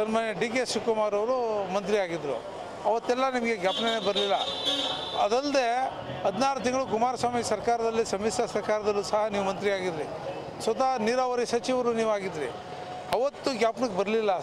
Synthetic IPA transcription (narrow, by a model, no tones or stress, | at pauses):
sɐnmaːnjeɖiːk̬eʃukumaːɾɐʋɾumɐnt̪ɾiaːɡid̪ɾṵ | ɐʋɐt̪ːɛlːɐnimɐɡe̞ɡjaːpnɐneːbɐɾlilːɐ̰ | ɐd̪ɐld̪e | ɦɐd̪ʱnaːɾut̪iŋɡɐɭukumaːɾɐsaːmisɐɾkaːɾɐd̪ɐlːisɐmisjɐsɐɾkaːɾɐd̪ɐlːusɐɦɐniːʋumɐnt̪ɾiaːɡid̪ɾi | sʋɐt̪aniɾaʋɐɾisɐt͡ʃiʋɐɾuniːʋuaːɡid̪ɾḭ | ɐʋɐt̪ːuɡjaːpɐnɐkebɐɾɐlilːɐ